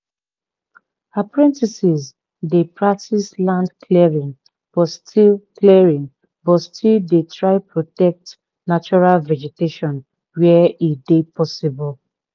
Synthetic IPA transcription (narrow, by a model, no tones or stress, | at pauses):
apɹɛ̃ntisiz | depɹak̚tʰislãndkliɹĩŋ | b̥ɔtstʰilkliɹĩŋ | bɔtstʰildetɹaɪpɹotɛk̚t | nat͡ʃɔɹalvɛd͡ʒɛteʃɔ̃n | wɛidepʰɔsibɔl